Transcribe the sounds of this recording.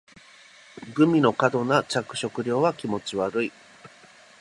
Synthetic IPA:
ɡɯ̟mʲino̞kad̪o̞nat͡ɕakɯ̟ɕo̞kɯ̟ɾʲo̞ːβakʲimo̞t͡ɕiβaɾɯ̟i

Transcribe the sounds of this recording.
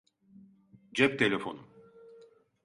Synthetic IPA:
d͡ʒɛp̚t̪ʰelʲefo̞̰num

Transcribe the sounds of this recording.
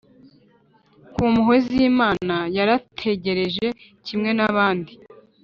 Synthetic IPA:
kumuɦeziːmaːnajaɾatʰe̞ɟe̞ɾe̞ʒe̞ | cʰimŋe̞naβaːndi

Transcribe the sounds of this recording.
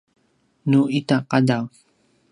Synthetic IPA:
nuʔitaqadaw

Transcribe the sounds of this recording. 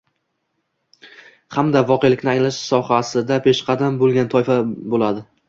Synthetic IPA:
hamd̪avɒqʰejlɪkʲnɪaŋlaʃsɒhasɪd̪apʰe̞ʃqʰɑd̪ambolˠɡʲant̪ʰɒjfabolad̪ɪ

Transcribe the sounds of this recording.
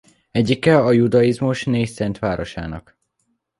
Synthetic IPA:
ɛɟikɛɒjud̪ɒizmuʃneːjsɛnt̪ʋaːɾo̞ʃa̰ːnɒ̰k

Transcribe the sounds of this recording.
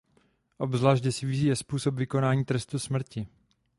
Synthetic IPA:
ʔo̞bzlaːʃ̬cɛsɪvɪzijɛspuːsopvɪko̞naːɲiːt̪ɾɛst̪usmr̩cɪ

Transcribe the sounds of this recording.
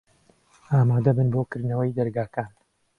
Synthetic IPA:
ʔaːmaːd̪ɐbɨnboːkɨɾd̪nɐwəjd̪ɐɾɡaːkaːn

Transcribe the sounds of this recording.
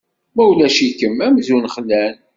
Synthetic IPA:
mæwlæʃikəmæmzunχlːæn

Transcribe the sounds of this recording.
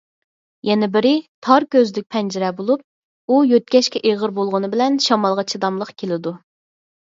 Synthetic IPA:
jɛnɪbɪɾɪt̪ʰɑɾkʲøzd̪ɪk̚ʲpʰɛnd͡ʒɪɾɛbolˠup̚ | ujøt̪̚kʲɛʃkʲɛʔeʁəɾbolˠʁʊnɨbɪlɛnʃɑmɑlˠʁɑt͡ʃʰid̪ɑmlˠəqkʲʰelɪd̪u

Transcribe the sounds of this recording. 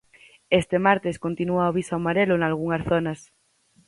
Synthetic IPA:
est̪emaɾt̪eskont̪inuaoβ̞isaomaɾelonalɣ̞uŋasθonas

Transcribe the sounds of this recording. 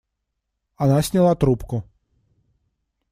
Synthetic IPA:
anasʲnʲilˠat̪ɾupkʊ

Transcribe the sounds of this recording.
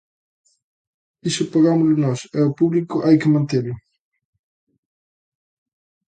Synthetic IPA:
isʊpaɣamʊlʊnɔsɛʊpuβlikʊʔajkɪmãnt̪elʊ

